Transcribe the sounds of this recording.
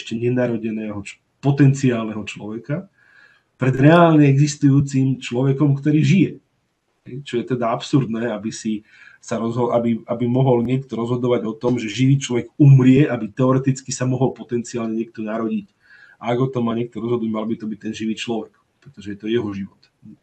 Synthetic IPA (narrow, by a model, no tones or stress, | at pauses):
ɛʃcɛɲɛnaɾɔɟɛnɛːɦɔt͡ʃ | pɔt̪ɛnt͡siaːlnɛɦɔt͡ʃlɔʋɛka | pɾɛd̪ɾɛaːlɲɛɛɡzist̪ujuːt͡simt͡ʃlɔʋɛkɔmkt̪ɔɾiːʒijɛ | ɦɦɛjt͡ʃɔjɛt̪ɛd̪aapsuɾd̪nɛːabisi | saɾɔzɦɔʔabiabimɔɦɔlɲɪɛkt̪ɔɾɔzɦɔd̪ɔʋaɟɔt̪ɔmʒɛʒiʋiːt͡ʃlɔʋɛɡumɾɪɛʔabit̪ɛɔɾɛt̪it͡skisamɔɦɔlpɔt̪ɛnt͡siaːlɲɛɲɪɛk̚t̪ɔnaɾɔɟic | ʔaaɡɔt̪ɔmaːɲɪɛk̚t̪ɔɾɔzɦɔd̪nuɟmalbit̪ɔbic̚t̪ɛnʒiʋiːt͡ʃlɔʋɛk | pɾɛt̪ɔʒɛjɛt̪ɔjɛɦɔʒiʋɔt̪